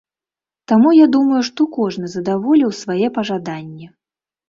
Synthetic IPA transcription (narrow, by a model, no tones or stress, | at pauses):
t̪amujad̪umɐjuʂt̪ɔkɔʐnɨzɐd̪avɔlʲiwsvajɛpɐʐad̪anʲːɛ